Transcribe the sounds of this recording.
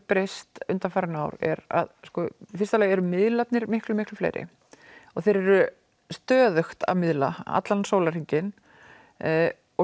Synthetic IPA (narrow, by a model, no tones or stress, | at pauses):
pɾejst̪ʏnt̪amfaɾɪnaːwɾɛ̰ɾa̰ðskɔfirst̪alɛːjɛɾʏmɪðlat̪nɪɾmɪhklʏmɪhklʏflḛjɾʔɪ̰ | ɔɣθejɾɛɾʏ | st̪œːðœxt̪a̰mɪðla̰a̰t̪lansoːwlaɾ̥iɲcɪn | ɔ